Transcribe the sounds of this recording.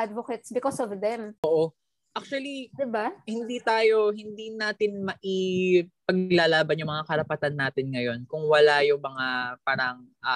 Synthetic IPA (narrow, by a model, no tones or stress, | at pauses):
ad̪̚vokɛt̪sbɪkɔsɔvd̪ɛmʔoːʔo | ʔak̚t͡ʃuwɐlid̪ɪbahɪnd̪iːt̪aːjo̞ɦɪnd̪inaːt̪ɪnmɐʔipɐɡlaːlaːbɐnjʊŋmɐŋakɐɾɐpɐt̪anːaːt̪ɪnŋɐjo̞nkʊŋwɐlajʊŋmɐŋapaɾɐŋʔa